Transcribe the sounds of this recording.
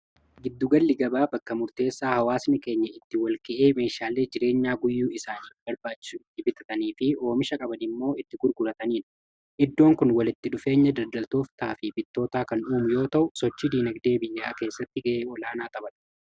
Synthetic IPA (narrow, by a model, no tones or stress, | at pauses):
ɡɪd̪ːʊɡɐlːɪɡɐbaːbɐkːɐmʊɾt̪e̞ːsːaːhɐwaːsnɪke̞ːɲːɐɪt̪ːɪwɐlkɛʔeːme̞ːʃaːle̞ːd͡ʒɪɾe̞ːɲːaːɡʊjːuːɪsaːniːfbɐɾbaːt͡ʃːɪ̥sʊɪɪbɪt̪ɐt̪ɐniːfɪo̞ːmɪʃɐkʼɐbɐnɪmːo̞ːɪt̪ːɪɡʊɾɡʊɾɐt̪ɐniːn | ʔɪd̪ːo̞ːŋkʊnwɐlɪt̪ːɪᶑʊfe̞ːɲːɐd̪ɐd̪ɐlt̪oːft̪aːfɪbɪt̪ːo̞ːt̪aːkɐnᶑuːmʊjo̞ːt̪ɐʔʊsɔt͡ʃːid̪iːnɐɡd̪e̞ːbɪjːaːke̞ːsːɐt̪ːɪɡɐʔeːɔlaːnaːt̪ʼɐbɐn